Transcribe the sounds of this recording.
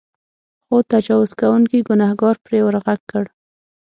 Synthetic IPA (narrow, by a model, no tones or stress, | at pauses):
xot̪ad͡ʒɑwʊzkawuŋkiɡʊnahɡɑɾpɾewəɾɣaɡ̚kəɽ